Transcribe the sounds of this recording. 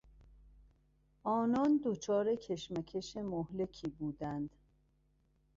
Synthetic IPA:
ʔɒːnɒːnd̪ot͡ʃʰɒːɾe̞cʰe̞ʃmæcʰe̞ʃemohle̞kʰiːbuːd̪ænd̪̥

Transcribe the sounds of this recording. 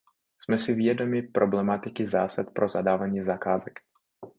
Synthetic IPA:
smɛsɪvjɛdo̞mɪpɾʔoblɛmat̪ɪkɪza̰ːsat̪̚pɾʔozadaːvaɲiːzakaːzɛk

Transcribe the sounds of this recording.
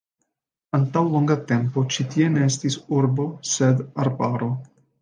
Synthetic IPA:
ant̪awloŋɡat̪e̞mpo̞t͡ʃit̪ie̞ne̞est̪isuɾbo̞sed̪aɾbaɾo̞

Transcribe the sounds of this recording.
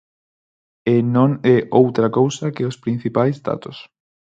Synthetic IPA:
enõŋɛʔowt̪ɾakowsɐkɪʊspɾĩn̟θipajzd̪a̰t̪ʊs

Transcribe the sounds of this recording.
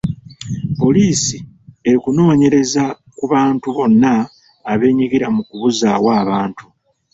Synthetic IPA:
po̞liːsi | e̞ɾikuno̞ːɲe̞ɾe̞za | kuβaːntuβo̞nːaː | βe̞ːɲiɡiɾamukuβuzaːwaːβaːntu̥

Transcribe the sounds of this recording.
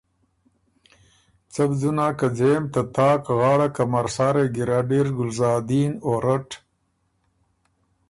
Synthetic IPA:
t͡sɐbd͡zunaːkad͡zeːmt̪at̪ɑːkɣɑːɽakamɐɾsaːɾeɡiɾaɖiɾɡʊlzɑːd̪iːnoːɾɐʈ

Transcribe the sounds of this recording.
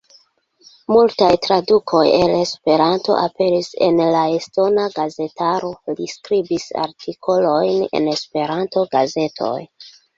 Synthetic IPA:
multajtɾadukʰo̞jele̞spe̞ɾanto̞̰ʔape̞ɾise̞̰nlaesto̞naɡaze̞taɾo̞liskɾibisa̰ɾtʰikʰo̞lo̞jne̞̰ne̞spe̞ɾanto̞ɡaze̞tʰo̞̰j

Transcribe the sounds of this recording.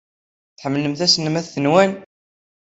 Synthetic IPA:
θħəmːləmθæsənəmæθθənwæn

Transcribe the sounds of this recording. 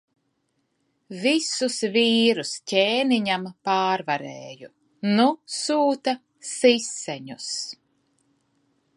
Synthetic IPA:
visusviːɾuscʲeːniɲampaːɾvaɾeːju | nusuːt̪a | sisːɛɲus

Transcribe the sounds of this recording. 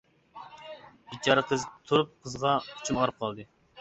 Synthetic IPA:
it͡ʃʰɑɾəqʰəzt̪ʰuɾup̚qʰəzʁɑu̥t͡ʃʰumɑɾɨp̚qʰɑlˠd̪ɨ

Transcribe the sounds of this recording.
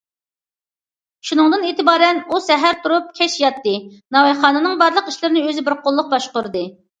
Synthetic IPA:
ʃunɨŋd̪ɨneːt̪ɪbɑːɾɛnusɛɦæɾt̪ʰuɾup̚kʲʰɛʃjɑt̪ːɨnɑwɑχɑːnɨnɨŋbɑɾlˠəqiʃlɪɾɪnɪøzɪbɪɾqʰolˠːʊq̚bɑʃqʊɾɨd̪ɨ

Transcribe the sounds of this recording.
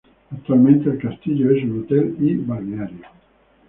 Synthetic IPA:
att̪ːualmẽnt̪eːlkast̪iʎoɛsunut̪ɛlibariaɾjo

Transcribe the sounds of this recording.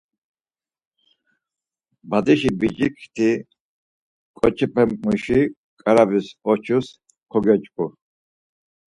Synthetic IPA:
bad̪iʃibid͡ʒikʰt̪ʰi | kʼɔt͡ʃʰɛpʰɛmʼuʃi | kʼaɾabisɔt͡ʃʰus | kʰɔɡɛt͡ʃʼkʼu

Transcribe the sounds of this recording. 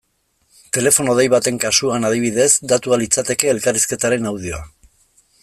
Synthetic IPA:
t̪e̞le̞fo̞noð̞e̞jβat̪e̞ŋkasuanað̞iβ̞iðe̞zd̪at̪ualit͡sat̪e̞ke̞ːlkariske̞t̪aɾe̞nawð̞io̞a

